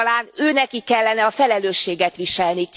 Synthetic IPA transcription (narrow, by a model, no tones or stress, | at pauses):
laːnøːnɛkikːɛlːɛnɛɒfɛlɛløːʃːeːɡɛt̪ʋiʃɛlni